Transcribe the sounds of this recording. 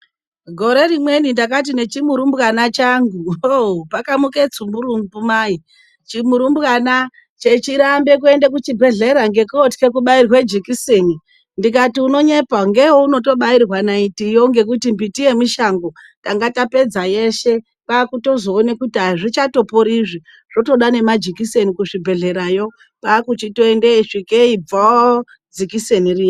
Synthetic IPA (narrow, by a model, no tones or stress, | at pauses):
ɡʱo̞ɾe̞rimwe̞nindak̬at̬ine̞t͡ʃimuɾumbukanat͡ʃaŋɡuopakamuke̞t͡sumbuɾumbumai | t͡ʃimuɾumbukana | t͡ʃe̞t͡ʃiɾambe̞k̬ue̞ndek̬ut͡ʃibʱe̞ɮe̞ɾaŋɡe̞kotke̞k̬uɓairɣwe̞d͡ʒikiseni | ndik̬atiuno̞ɲe̞paŋɡe̞wouno̞to̞ɓairrwanaitijo̞ŋɡe̞k̬utimbitije̞miʃaŋɡo̞ | taŋɡatape̞d͡zaje̞ʃe̞ | kakuto̞zo̞ːnekutiaʐit͡ʃato̞poɾiʐi | ʐ̥o̞to̞ɗane̞mad͡ʒikise̞nikuʂibʱe̞ɮe̞ɾajo̞ | pakut͡ʃito̞endeiʂikeib͡vao | d͡zikiseniriːo